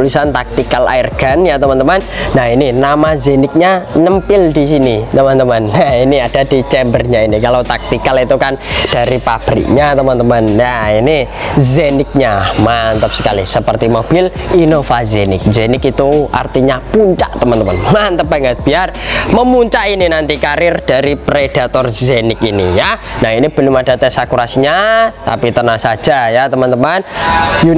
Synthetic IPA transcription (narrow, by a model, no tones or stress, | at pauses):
lisant̪ak̚t̪ikala̰ɪrɡ̥anjat̪əmant̪əmannahininamazenɪk̚ɲaɲəmpɪldisinit̪əmant̪əmanjainiad̥adit͡ʃɛmbərɲainikalawt̪ak̚t̪ikalit̪ukand̥aɾipab̥ɾḭk̚ɲat̪əmant̪əmanjainizenɪk̚ɲamant̪əp̚sə̥kalisəpərt̪imob̥ɪlinovazenɪk̚zenɪkit̪ua̰rt̪iɲapuɲt͡ʃaʔt̪əmant̪əmanmant̪əp̚b̥aŋət̪̚b̥iarməmuɲt͡ʃaʔininant̪ikaɾɪrd̥a̤ɾipɾed̥at̪ɔrzenɪkinḭjanahinib̥ə̤lʊmad̥a̤t̪ɛsakuɾasiɲat̪a̰pit̪ənasḁd͡ʒ̥ajat̪əmant̪əmanju